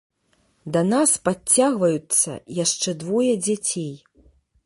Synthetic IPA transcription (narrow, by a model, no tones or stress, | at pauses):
d̪ɐnaspaːaɣvɐjut̪sːɐ̰jaʂt͡ʂɛd̪vɔjɐd͡zʲat͡sʲej